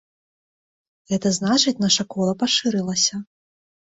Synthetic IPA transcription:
ɣɛt̪ɐznat͡ʂɨt͡sʲnaʂɐkɔlˠɐpaʂɨɾɨlˠɐsʲɐ

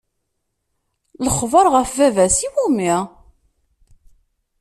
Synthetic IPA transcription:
ləχvəɾˤʁəfvævæsiwumiʁ

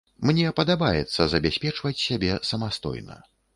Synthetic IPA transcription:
mnʲɛpɐd̪abajɛt̪sːɐzɐbʲasʲpʲɛt͡ʂvɐt͡sʲsʲabʲɛsɐmast̪ɔ̰jnɐ̰

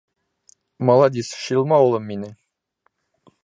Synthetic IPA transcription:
mɑlˠɑd̪isʃilˠmɑulˠɤmːinɪ

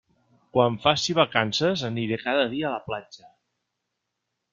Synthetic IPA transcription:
kwaɱfasiβ̞akansəzəniɾekaðəðiəːləplad͡ʒə

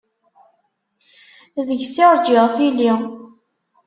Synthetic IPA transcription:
ðəʝsɪɾˤd͡ʒɪʁθili

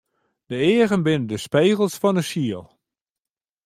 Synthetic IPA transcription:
d̥əɪːəɣənbɪnədəspeːɣəl̩ˠsfɔnəʃiəlˠ

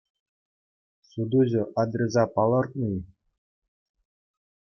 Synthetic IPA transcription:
sud̪uʑɘ̆ʔɑd̪rʲezɑpɑlˠɤ̆rt̪̚nuj

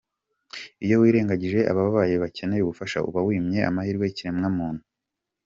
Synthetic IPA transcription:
ijo̞wiːɾe̞ːŋɡaɟiʒe̞ʔa̰βaβaβajeβace̞nejuβufaʃa̰ṵβawiːmɲe̞ʔa̰mahiːɾɡweiciɾemŋamuːn̥hu̥

